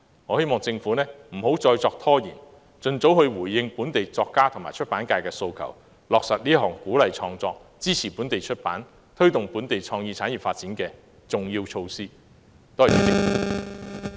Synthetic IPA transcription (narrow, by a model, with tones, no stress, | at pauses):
ŋɔː˨˧he˥jmɔː˨ŋt͡sɪ˧ŋfuː˨˥nɛː˥m̩˨˩ɦo˨˥wt͡sɔː˧jt͡sɔː˧k̚t̪ʰɔː˥jiː˨˩n | t͡sɵ˧nt͡so˨˥whɵ˧ɥwuː˨˩jːɪ˧ŋpuː˨˥nt̪e˨jt͡sɔː˧kːaː˥t̪ʰʊ˨˩ŋma̰ː˨˩t͡ʃʰɵ˥t̚paː˨˥nkaː˧jkɛː˧so˧wkʰɐ̰˨˩w | lɔː˨k̚sɐ˨t̚niː˥ɦɔː˨˩ŋkuː˨˥lɐ˨jt͡ʃʰɔː˧ŋt͡sɔː˧k̚t͡siː˥t͡sʰiː˨˩puː˨˥nt̪e˨jt͡ʃʰɵ˥t̚pa̰ː˨˥n | t̪ʰɵ˥ɥt̪ʊ˨ŋpuː˨˥nt̪e˨jt͡ʃʰɔː˧ŋjiː˧t͡sʰaː˨˥njɥi˨˩faː˧t̚t͡siː˨˥nkɛː˧ | t͡sʊ˨ŋjiː˧wt͡ʃʰo˧wsiː˥ | t̪ɔː˥ji˨˩ɐ˨˥t͡sɪ˧ŋu˨˥˦